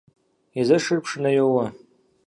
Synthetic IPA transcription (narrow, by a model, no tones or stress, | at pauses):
izaʂɨrpʰʂnajowa